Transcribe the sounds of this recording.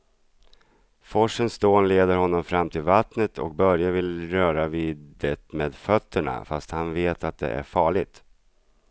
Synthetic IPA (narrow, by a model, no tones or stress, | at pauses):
fɔʂənst̪oːnleːd̪əɾhɔnːɔmfɾamːt̪ʰɪlvat̪nət̪ʰɔ̰k̚bœɾjavɪlɾœːɾaviːd̪ət̪meːd̪fœt̪ʰːəɳa̰fast̪hanveːt̪ʰat̪̚d̪ɛ̰ʔæ̰ɾfɑːɭɪɡ̚t̪